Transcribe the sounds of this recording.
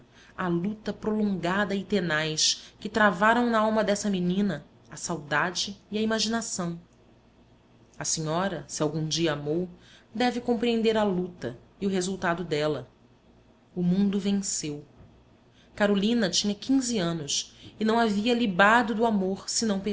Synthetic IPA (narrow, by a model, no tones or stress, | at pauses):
alut̪ɐpɾolõŋɡad̪ɐɪt̪enajskɪt̪ɾavaɾɐ̃w̃nɐawmɐd̪ɛsɐminĩnɐː | sawd̪ad͡ʒɪːɐimaʒinasɐ̃w̃ | ɐsiɲɔɾɐsiawɡũd͡ʒiɐamowd̪ɛvɪkõpɾiẽnd̪eɾɐlut̪ɐiʊɦezuwt̪ad̪ʊd̪ɛlɐ | ʊmũnd̪ʊvẽŋsew | kaɾolĩnɐt͡ʃĩɲɐkʰĩziɐ̃nʊsɪnɐ̃w̃aviɐlibad̪ʊd̪ʊamoɾsɪnɐ̃w̃pe